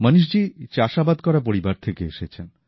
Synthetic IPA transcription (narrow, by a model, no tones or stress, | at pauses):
mənuʃ̬d͡ʑit͡ɕaʃabad̪kɔɾap̬oɾibaɾt̪ʰekeeʃet͡ɕʰen